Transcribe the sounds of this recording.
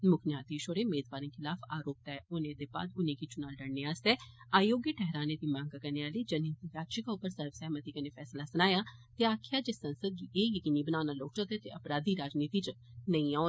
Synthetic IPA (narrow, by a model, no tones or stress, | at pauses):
mʊkʰnjaːt̪iːʃoɾeːmeːd̪baːɾĩŋkʰɪlaːpʰaːɾoːp̚t̪ɛɛʊnẽːd̪eːba̰ːd̪ʊnẽːkit͡ʃʊnaːlɖəɽneːaːst̪ɛːaːjoːɡjəʈʰɛɦɾaːneːd̪iːmãːŋɡakəneːaːliːd͡ʒənĩːt̪ibjaːt̪ʃɪkaːʊpːəɾsəɾʋsɛːmət̪iːkəneːpʰɛːslaːsənaːjaːt̪eaːkʰɪjaːd͡ʒeːsə̃nsəd̪̚iʔeːjəkiːniːbənaːnaːloːt͡ʃət̪ɛːt̪eːʔəpɾaːd̪iːɾaːd͡ʒniːt̪iːt͡ʃnəĩã